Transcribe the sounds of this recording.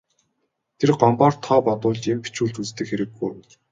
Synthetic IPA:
t̪ʰerɢɔmpaːrt̪ʰːɔːpɔt̪ʊːɮt͡ɕempi̥t͡ɕuːɮt͡ɕut͡st̪ɘ̆kxeɾɘ̆ɡːuj

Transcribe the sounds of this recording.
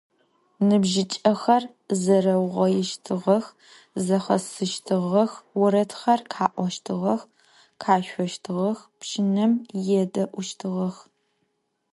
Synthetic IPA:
nɨbʒɪt͡ʃʼɐxɐr | zɐrɐwʁʷɐjɛʃtʰɨʁɐx | zɐχɐsɨʃtʰɨʁɐxwʊɾɐtʰxɐrkʰaːʔʷɔʃtʰɨʁɐx | kʰaːʃʷɔʃtʰɨʁɐxpʃɪnɐmjɛdɐʔʷʊʃtʰɨʁɐx

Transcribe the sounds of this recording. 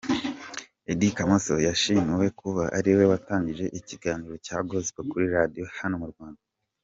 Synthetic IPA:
edikamosojaʃimiwe̞kʰuβaʔa̰ɾiwe̞wataːɲɟiʒe̞ʔiciɡaːniɾo̞caːɡozikokuɾiɾadijo̞hano̞muɾɡwaːnda

